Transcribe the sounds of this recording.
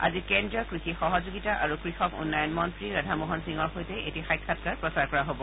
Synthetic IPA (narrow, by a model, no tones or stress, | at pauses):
a̰zikɛndɹɔkɹixixɔɦɔzuɡitaʔaɹukɹixɔkṵnːajɔnmɔntɹiɹadʱamɔɦɔnsiŋɔɹxojtɛʔetixajkʰːatkaɹpɹɔsaɹkɔɹaɦobɔ